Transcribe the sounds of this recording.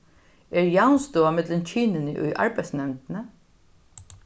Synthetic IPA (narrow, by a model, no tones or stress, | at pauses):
ɛɹjawnst̪ʊamɪt̪lɪnt͡ɕʰiːnɪnɪʔʊ̰jʔa̰ɹpɛjt̪snɛmt̪ɪnə